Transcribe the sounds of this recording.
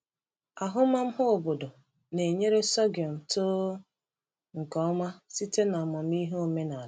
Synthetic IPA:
a˨ɦʊ˦ma˦m̩˦ɦʊ˦o˨bo˨do˨ | ne˨ɲe˦ɾe˦sɔ˦ɡjɔ˨m̩˨toː˦ | ŋ̩˨kɔ˦ma˦si˦te˦na˨mɔ˨m̩˦i˦ɦo˨me˦na˨˦

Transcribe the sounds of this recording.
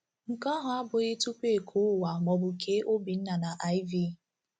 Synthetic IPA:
ŋ̩˨kɔ˦ɦʊ˨a˦bʊ˨ɣɪ˦tu˦ke˦˨kʰu˨˦˨wa˨mɔ˨bʊ˨kʰe˦ʔo˦bi˨n̩˦na˨na˨ʔa˦ɪ˦vi˦

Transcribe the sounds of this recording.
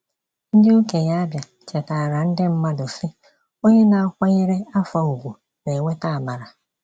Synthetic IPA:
n̩˦dɪ˦u˦ke˨ja˦a˦bja˨ | t͡ʃe˨ta˨ɾa˨n̩˦dɪ˦m̩˦ma˦dʊ˨sɪ˦ | o˦ɲe˦na˨a˨kʷa˦ɣe˦ɾe˦a˦fa˨u˨ɡʷu˨ | ne˨ŋʷe˦ta˦a˨ba˨ɾa˨

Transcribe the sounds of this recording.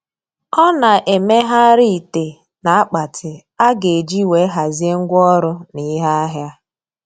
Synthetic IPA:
ɔ˦na˨ʔe˨me˦ɦa˦ɾi˦i˨te˨ | na˨a˦k͡pa˨tʰɪ˨ | a˦ɡe˨e˨d͡ʒi˦we˨˦ɦa˨zi˦e˦ŋ̩˦ɡʷɔ˦ɾʊ˦ni˦ɦa˦a˦ɦja˦

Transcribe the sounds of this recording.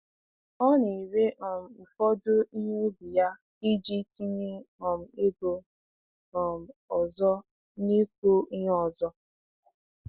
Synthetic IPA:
ɔ˦ni˨i˨ɾe˦ʔɔ˨m̩˨fɔ˦dʊ˦i˦ɦe˦bu˨ja˦ | i˦d͡ʒi˦ti˦ɲe˦ɔ˨m̩˨e˦ɡo˦ | ɔ˨m̩˨ɔ˨zɔ˦ | ni˦kʷo˦i˦ɦɔ˨zɔ˦

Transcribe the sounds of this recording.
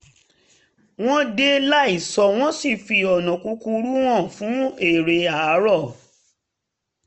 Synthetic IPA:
w̃ɔ̃˦de˦la˦i˦˨sɔ˧w̃ɔ̃˦si˦˨fi˧ɔ˨nɔ̃˨ku˧ku˧ɾu˦w̃ɔ̃˦˨fũ˨˦e˦˨ɾe˧a˨˦ɾɔ˦˨

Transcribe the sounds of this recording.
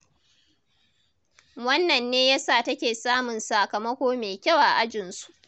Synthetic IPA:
wɐ˦nːɐ˨nːeː˦jaː˦saː˦˨tɐ˦kʲeː˨saː˦mʊ˨nsaː˨kɐ˨mɐ˦kʷoː˦meː˨kʲɐ˦˨wa˨ʔa˦d͡ʒɪ˨nsu̥˦ʔ

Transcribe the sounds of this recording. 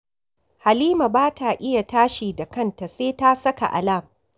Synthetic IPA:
ha˨liː˦ma˨baː˦tʰa˨ʔɪ˦ja˨taː˦ʃiː˨da˨kɐ˦˨nta˨seː˦ta˦sɐ˦ka̰˨ʔa̰˨la˦˨m

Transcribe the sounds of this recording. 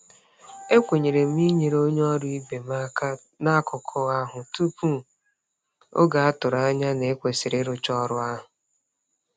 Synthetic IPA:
e˦kʷe˨ɲe˨ɾe˨m̩˦i˦ɲe˨ɾo˦ɲ˦ɔ˦ɾʊ˦i˦be˨ma˦ka˦ | na˦kʰʊ˨kʰɔ˦a˦ɦʊ˨tu˦pu˦˨ | o̰˦ɡa˨a˦tʊ˨ɾa˦a˦ɲa˦ne˨e˦kʷe˨sɪ˨ɾɪ˦ɾʊ˦t͡ʃɔ˦ɾʊ˦a˦ɦʊ˨

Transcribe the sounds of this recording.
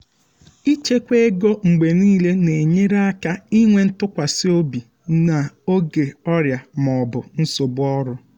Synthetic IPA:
i˦t͡ʃe˦kʷe˦e˦ɡo˦ŋ͡m̩˨ɡ͡be˨niː˦le˦ne˨ɲe˦ɾa˦ka˦i˦ŋʷe˦n̩˦tʊ˦kʷa˨si˦o˦bi˨ | na˨o˦ɡe˨ɔ˦ɾja˨m˨ɔ˨bʊ˨n̩˦so˨bʊ˦ɔ˦ɾʊ˦

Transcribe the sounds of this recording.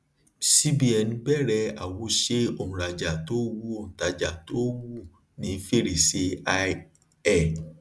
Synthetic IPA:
si˦bi˦ɛ˨nĩ˧˦bɛ˦˨ɾɛ˧a˨wo˨˦ʃe˦o˦˨ũ˨ɾa˨d͡ʒa˨to˦wu˧˦o˦˨ñ̩˨ta˨d͡ʒa˨to˦wu˦˨ | nĩ˨˦fe˦˨ɾe˨se˧˦˧ | ɛ˦˨

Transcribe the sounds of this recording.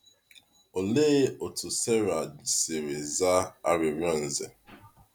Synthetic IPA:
o˨le˦o˨tʊ˨sɛ˦ɾa˨d͡ʒi˨se˨ɾe˨za˦a̰˦ɾɪ˨ɾɔ˦˨n̩˨ze˨

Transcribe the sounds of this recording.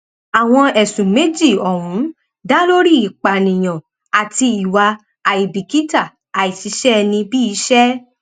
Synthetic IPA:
a˨w̃ɔ̃˧ɛ˨sũ˨me˨˦d͡ʒi˦˨ɔ˨wũ˨˦ | da˦lo˦ɾi˦˨i˨k͡pa˨nĩ˨j̃ã˨ | a˨ti˧i˨wa˧ | a˨i˨bi˨ki˦ta˦˨ | a˨i˨si˨˦ʃɛ˦˧nĩ˧bi˦i˧˦ʃɛ˦

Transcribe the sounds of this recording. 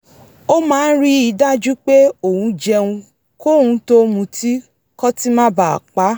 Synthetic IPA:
o˦mãː˦˧n̩˦ɾi˦i˧˦da˦d͡ʒu˦k͡pe˦o˨hũ˧d͡ʒɛ˧ũ˧ | ko˦hũ˧˦to˦mũ˧ti˦ | kɔ˦ti˦mã˦ba˨a̰˨k͡pa˨˦

